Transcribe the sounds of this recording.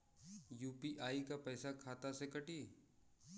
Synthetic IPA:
juːpiʔaːikapɛːsakʰaːt̪asekɐʈiː

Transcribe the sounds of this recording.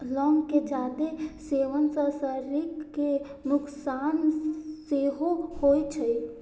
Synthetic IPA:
lɔŋked͡ʒad̪eseʋənsə̃səɾikːenuksanseɦohojt͡ʃʰəj

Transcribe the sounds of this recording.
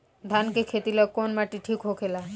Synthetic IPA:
d̪ʱankekʰet̪iləɡ̚konmaʈiʈʰikɦokʰela

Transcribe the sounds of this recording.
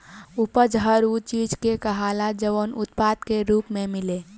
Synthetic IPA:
ʊpəd͡ʒɦəɾut͡ʃiːd͡ʒkekəɦaːlad͡ʒəʋonʊt̪̚paːd̪keɾuːpmẽmɪle

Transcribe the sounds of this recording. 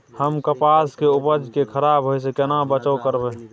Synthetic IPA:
həmkəpaskeʊpəd͡ʒʱkekʰəɾabɦosekɛnabət͡ʃəkəɾbe

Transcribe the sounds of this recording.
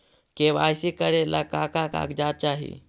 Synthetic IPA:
keba̰jsikəɾelakakaka̰kd͡ʒat̪̚t͡ʃaːɦḭ

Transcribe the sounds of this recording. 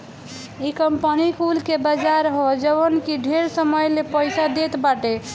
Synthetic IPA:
ikəmpənikulkebəd͡ʒaɾɦod͡ʒəβənkiɖʱeɾsəməjlepəjsad̪et̪baʈe

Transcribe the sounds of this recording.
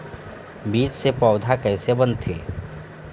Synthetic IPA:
biːt͡ʃsepɔʊd̪ʱakɛːsebə̃nt̪ʰeː

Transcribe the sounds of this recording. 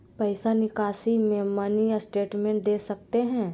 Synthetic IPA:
pɛɪsanɪkaːsimẽmanijasʈeːʈmẽɳʈ̚d̪eːsɐk̚t̪eɦɛ̃ː

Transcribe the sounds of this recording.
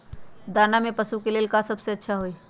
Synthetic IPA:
d̪aːnamẽpəsukeleːlkasɐbseɐtːʃʰaɦoiː

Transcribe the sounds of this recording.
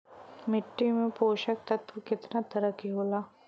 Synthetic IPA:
mɪʈːimẽpoːʃək̚t̪ɐt̪ʰʋkɪt̪nat̪ɐɾəkiɦoːlaː

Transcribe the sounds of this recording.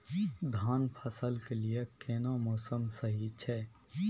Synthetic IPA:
d̪ʱaːnpʰəsəlkeliekeːnamɔːsəmsəɦit͡ʃʰɛː

